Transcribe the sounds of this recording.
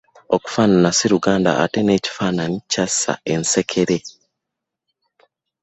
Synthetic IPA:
oku̥faːnanasiɾuɡaːnda̰ʔːtene̞ːci̥faːnanicasa̰e̞nse̞kʰe̞ɾe̞

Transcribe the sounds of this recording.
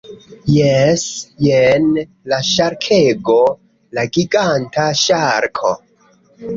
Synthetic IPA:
jesjen | laʃaɾkʰeɡo̞ | laɡiɡantaʃaɾkʰo̞

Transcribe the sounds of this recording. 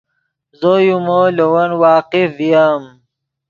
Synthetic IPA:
zojumolowɐnwɑːqifd̪ijam

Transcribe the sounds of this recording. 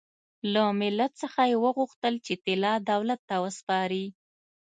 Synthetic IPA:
lamɪlːat̪səxajewəɣuxt̪əlt͡ʃet̪ɪlɑd̪awlat̪ːawəspɑɾi

